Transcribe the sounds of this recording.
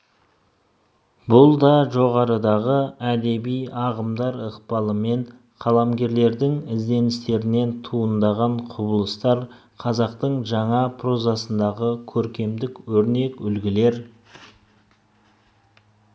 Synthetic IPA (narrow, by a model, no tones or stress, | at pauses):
bʊlˠd̪ɑʒo̞ʁɑɾəd̪ɑʁəæd̪e̞bijɑʁəmd̪ɑɾəqpɑlˠəme̞ɴ | qʰɑlˠɑmɡʲe̞ɾle̞ɾd̪ɪŋɪzd̪e̞nɪst̪e̞ɾɪne̞nt̪ʰuənd̪ɑʁɑɴqʰʊbəlˠəst̪ɑɾ | qʰɑzɑqt̪əɴʒɑɴɑpʰro̞zɑsənd̪ɑʁəkʲʰɵɾkʲe̞md̪ɪkwɵɾne̞kʏlɡʲɪle̞ɾ